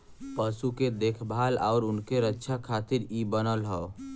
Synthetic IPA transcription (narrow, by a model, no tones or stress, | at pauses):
pəsuked̪ekʰbʱalaʊɾʊnkeɾətːʃʰakʰat̪iɾibənəlɦəo